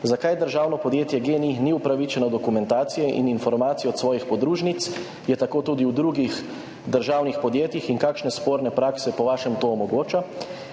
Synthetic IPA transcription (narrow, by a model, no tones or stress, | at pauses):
zakajd̪əɾʒaːwnɔpɔd̪jeːt̪jɛɡeːniniupɾaʋit͡ʃɛnɔd̪ɔkumɛnt̪aːt̪sijɛʔḭninfɔɾmaːt̪sijɔːt̪sʋɔːjixpɔd̪ɾuːʒnit̪s | jɛt̪akoːt̪ud̪iwd̪ɾuɡix | d̪əɾʒaːwnixpɔd̪jeːt̪jixiŋkaːkʃnɛspoːɾnɛpɾaːksɛpɔʋaːʃɛmt̪oːmɔɡoːt͡ʃa